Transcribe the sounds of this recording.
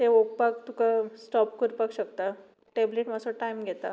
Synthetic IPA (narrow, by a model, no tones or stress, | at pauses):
t̪eok̚pakt̪ukasʈɔpkəɾpakɕəkt̪a | ʈebleʈmasoʈaimɡʱet̪a̰